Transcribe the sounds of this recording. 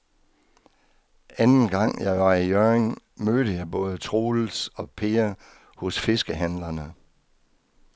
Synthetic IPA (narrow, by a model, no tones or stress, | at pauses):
ænn̩ɡ̥ɑ̈ŋ̰jɑ̈ɪʋɑ̈ijøeŋ | møːɾəjɑ̈ɪb̥ɔ̽ːð̞ˠət͡sʰʁoːl̩sɒ̽pʰe̝ːɐ | hɔ̽sfe̝sɡ̥əɦænlɐnə